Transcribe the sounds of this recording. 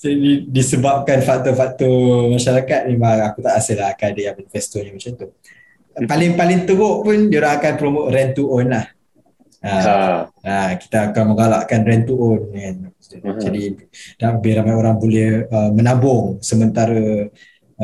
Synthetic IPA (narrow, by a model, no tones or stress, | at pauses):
d͡ʒdidisəbap̚kanfaʔ̚t̪ofakt̪omaʃaɾakat̪̚mɛmaŋakut̪aʔasɪhlaɦakanadəjaŋmanifɛst̪oɲamat͡ʃant̪u | palɪŋpalɪŋt̪əɡoʔpʊndioɾaŋakanpɾomoʔɾɛnt̪uʔonlah | a | aki̥t̪aːkanmə̃ŋɡalaʔkanrɛnt̪uɔnan | d͡ʒadid̥abeɾamajoɾaŋbolɛhəmənabʊŋsəmənt̪aɾə